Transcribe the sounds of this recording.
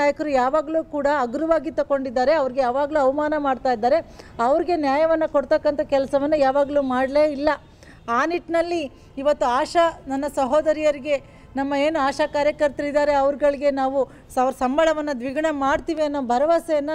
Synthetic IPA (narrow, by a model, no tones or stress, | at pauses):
aːjɐkɐɾujaːʋaːɡɐluːkuːɽɐːɡɾuʋaːɡit̪ːɐko̞ɳɖid̪ːaːɾe̞ɐʋɐɾiɡejaːʋaːɡɐluːɐʋɐmaːnɐmaːɖt̪aːjid̪ːaːɾe̞ɐʋɐɾiɡe̞njaːjɐʋɐnːɐkoɽt̪ɐkːɐnt̪ʰɐkɛlɐsɐʋɐnːujaːʋaːɡɐluːmaːɽleːilːɐ | aːniʈnɐlːiː | ʋɐt̪ːuaːʂɐnɐnːɐsɐɦoːd̪ɐɾijɐɾiɡe̞ | nɐmːɐeːnuaːʃaːkaːɾjɐkɐɾt̪ɐɾid̪aːɾe̞ɐʋɐɾɡɐɭiɡe̞naːʋu | sɐʋɐɾsɐmbɐɭɐʋɐnːɐd̪ʋiɡɐɳɐmaːɖt̪iːʋiɐnːobʱɐɾɐʋasɛjɐnːɐ